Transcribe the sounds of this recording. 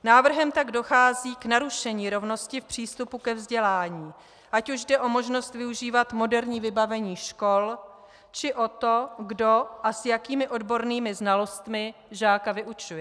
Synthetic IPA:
naːvr̩ɦɛmt̪aɡdo̞xaːziːknaɾuʃɛɲiːɾo̞vno̞scɪfpr̝̥iːst̪upukɛvzɟɛlaːɲiː | ʔacuʒdɛʔo̞mo̞ʒno̞st̪vɪuʒiːvat̪mo̞dɛɾɲiːvɪbavɛɲiːʃko̞l | t͡ʃɪʔo̞t̪o̞ɡdo̞ʔasjakiːmɪʔo̞dbo̞ɾniːmɪznalo̞st̪mɪʒaːkavɪʔut͡ʃujɛ

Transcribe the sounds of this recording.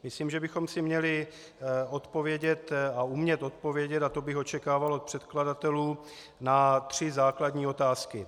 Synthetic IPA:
mɪsliːmʒɛbɪxo̞msɪmɲɛlɪ | o̞t̪po̞vjɛɟɛt̪aumɲɛt̪o̞t̪̚po̞vjɛɟɛt̪at̪o̞bɪxo̞t͡ʃɛkaːvalot̪̚pr̝̥ɛt̪kladat̪ɛluː | nat̪r̝̥ɪzaːkladɲiːo̞t̪aːskɪ

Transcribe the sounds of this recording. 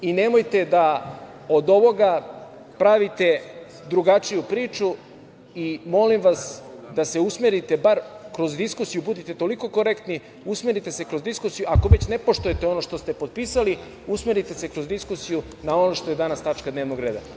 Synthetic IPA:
ine̞mo̞jt̪e̞d̪a | od̪o̞ʋo̞ɡa | pɾaʋit̪e̞ | d̪ɾuɡat͡ʃijupɾiːt͡ʃu | imo̞limʋasd̪ase̞usmeɾit̪e̞baɾkɾo̞zd̪iskusijubud̪it̪e̞t̪o̞liko̞ko̞ɾekt̪ni | usmeɾit̪e̞se̞kɾo̞zd̪iskusijuako̞ʋe̞t͡ɕne̞po̞ʃt̪ujet̪e̞o̞no̞ʃt̪o̞st̪e̞po̞d̪̚piːsali | usmeɾit̪e̞se̞kɾo̞zd̪iskusiju | nao̞no̞ʃt̪o̞je̞d̪anast̪at͡ʃkad̪neʋnoɡɾe̞ːd̪a̰

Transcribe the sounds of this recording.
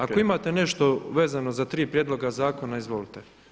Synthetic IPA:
akko̞imaːt̪e̞ne̞ʃt̪o̞ʋe̞ːzano̞zat̪ɾiːpɾjed̪lˠo̞ɡazaːko̞naizʋolit̪e

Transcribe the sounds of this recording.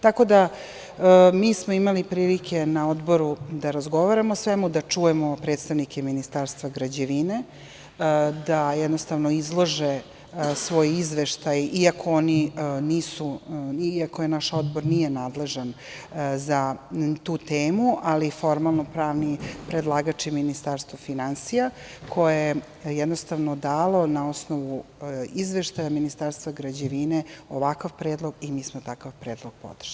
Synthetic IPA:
t̪ako̞d̪a | miːsmoimalipɾiːlike̞nao̞d̪bo̞ɾud̪aɾazɡo̞ʋaɾamosʋemud̪at͡ʂujemo̞pɾet̪st̪aʋnikʰeminist̪aːɾst̪ʋaɡɾad͡ʑeʋine | d̪ajɛd̪nost̪aʋno̞izlˠo̞ʒe | sʋo̞ːjizʋeʃt̪ajiakʰooniniːsuiako̞jenaʃod̪boɾnije̞naːd̪le̞ʒan | zat̪uːt̪eːmuʔalifo̞ɾmalˠnopɾaːʋnipɾed̪lˠaːɡat͡ʃiminist̪aɾst̪ʋofinansija | kʰo̞jeje | jɛd̪nost̪aʋnod̪aːlo̞nao̞snoʋuizʋeʃt̪ajaminist̪aɾst̪ʋaɡɾad͡ʑeʋineoʋakaʋpɾeːd̪lˠo̞ɡimiːsmot̪akaʋpɾeːd̪lˠoɡ̥̚po̰d̪r̥ʃi

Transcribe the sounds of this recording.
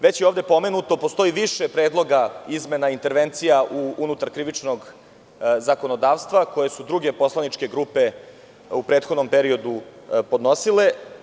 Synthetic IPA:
ʋe̞t͡ɕjeoːvd̪e̞po̞me̞nut̪o̞post̪o̞iʋiʃepɾeːd̪lˠo̞ɡaizme̞naint̪e̞ɾʋent̪sijaʔuunut̪aɾkɾiʋit͡ʂnoɡ | zakonod̪aːʋst̪ʋako̞je̞sud̪ɾuɡepo̞slanit͡ʂke̞ɡɾupe̞ | upɾeːt̪xod̪nompeɾio̞d̪upod̪no̞sile̞

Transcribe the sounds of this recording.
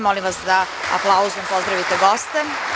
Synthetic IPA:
molimʋasd̪a | a̰plˠauzuempo̞zd̪ɾaʋit̪eɡo̞st̪ɛ

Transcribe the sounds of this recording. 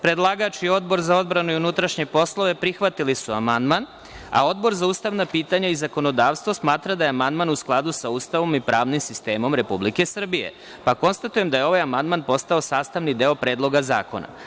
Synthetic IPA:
pɾe̞d̪lˠaɡat͡ʃio̞d̪̚bo̞ɾzao̞d̪bɾanuiunut̪ɾaʃɲe̞po̞slˠo̞ʋe̞pɾixʋat̪ilisuamand̪man | a̰o̞d̪bo̞ɾzauːst̪aʋnapiːt̪aɲaizako̞no̞d̪aːʋst̪ʋosmaːt̪ɾad̪aje̞amand̪manusklˠad̪usauːst̪aʋo̞mipɾaːʋnimsist̪e̞ːmo̞mɾe̞publike̞sr̩bije̞̰ | pako̞nst̪at̪uje̞md̪aje̞o̞ʋajamand̪manpo̞st̪ao̞saːst̪aʋnid̪e̞o̞pɾe̞ːd̪lo̞ɡaza̰ːko̞̰na̰

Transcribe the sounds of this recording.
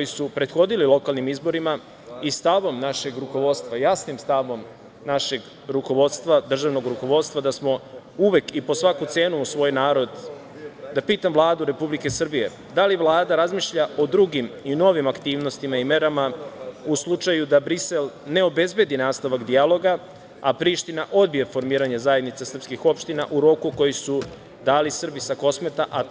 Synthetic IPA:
kojisupɾe̞d̪xo̞d̪ililˠo̞kaːlˠnimizbo̞ɾima | ist̪aʋo̞mnaʃe̞ɡɾuko̞ʋo̞d̪st̪ʋajasnimst̪aʋo̞m | naʃe̞ɡ | ɾuko̞ʋo̞d̪t̪st̪ʋad̪r̩ʒaʋno̞ɡɾuko̞ʋo̞d̪st̪ʋad̪asmo̞uʋe̞kipo̞sʋakut̪se̞ːnuːsʋo̞ːjnaːɾo̞d̪ | d̪apiːt̪amʋlˠaːd̪uɾe̞publike̞sr̩bije | d̪aliʋlˠaːd̪aɾazmiʃʎaʔo̞d̪ɾuɡimino̞ʋimakt̪iːʋno̞st̪imaime̞ɾamauslˠut͡ʂajud̪abɾise̞lˠne̞o̞be̞zbe̞d̪inaːst̪aʋakd̪ijalo̞ɡa | apɾiːʃt̪inaʔo̞d̪̚bijefo̞ɾmiːɾaɲezaje̞d̪nit̪sesr̩pskixo̞pʃt̪ina̰ʔuɾo̞kuko̞jisu | d̪aːlisr̩bisako̞smet̪aʔa

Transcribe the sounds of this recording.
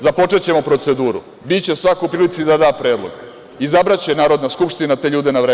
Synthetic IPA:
zapo̞t͡ʂe̞t͡ɕe̞mo̞pɾo̞t̪se̞d̪uːɾṵ | bit͡ɕe̞sʋakoupɾilit̪sid̪ad̪aːpɾe̞ːd̪lˠo̞̰ɡ | izabɾat͡ɕenaːɾo̞d̪naskupʃt̪inat̪e̞ːʎuːd̪e̞naʋɾeː

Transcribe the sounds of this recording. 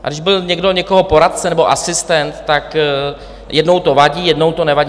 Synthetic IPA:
ʔa̰ɡdɪʒbɪlɲɛɡdo̞ɲɛkoɦo̞po̞ɾat̪̚t͡sɛnɛbo̞ʔasɪst̪ɛnt̪ːak | jʔɛdno̞wt̪o̞vaɟiːjɛdno̞wt̪o̞nɛvaɟ

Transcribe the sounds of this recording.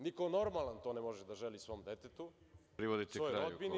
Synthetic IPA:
nikono̞ɾmalant̪oːnemoʒed̪aʒelisʋo̞ːmd̪et̪et̪u | ɾiʋod̪isojɾaod̪bini

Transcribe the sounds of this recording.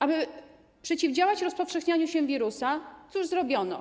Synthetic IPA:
ʔabɘ | pʂɛt͡ɕivd͡ʑawat͡ɕɾɔspɔfʂɛxɲaɲuɕɛvʲiɾusat̪suʐzɾɔbʲjɔnɔ̰

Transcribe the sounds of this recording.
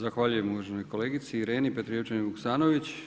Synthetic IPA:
zaxʋaːʎuje̞muʋaʒeno̞jko̞le̞ːɡit̪siːɾe̞ːnipet̪ɾiot͡ʃanibuksaːno̞ʋit͡ɕ

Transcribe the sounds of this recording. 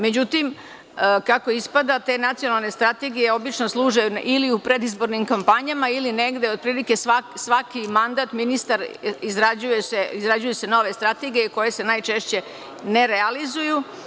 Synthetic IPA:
me̞d͡ʑut̪im | kako̞ispad̪at̪e̞nat̪sijo̞nalˠne̞st̪ɾat̪e̞ɡije̞o̞bit͡ʃno̞slˠuːʒajuʔiliupɾe̞d̪izbo̞ɾnimkampaɲamailine̞ɡd̪e̞o̞d̪̚pɾiːlike̞sʋasʋakimand̪aːt̪minist̪aɾizɾad͡ʑujeseizɾad͡ʑujuse̞no̞ʋe̞st̪ɾat̪e̞ɡijeko̞je̞se̞najt͡ʃe̞ʃt͡ɕe̞ | ne̞ɾealizuju

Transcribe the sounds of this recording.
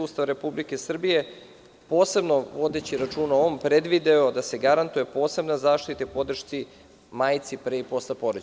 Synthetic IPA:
uːst̪aʋɾe̞publike̞sr̩bije̞ | po̞ːse̞bno̞ʋo̞d̪e̞t͡ɕiɾat͡ʃuːnaoompɾe̞d̪ʋid̪aod̪ase̞ɡaɾant̪uje̞po̞ːse̞bnazaːʃt̪it̪epo̞d̪r̩ʃt̪si | maːjt̪sipɾeipo̞slepo̞ɾod͡ʑ

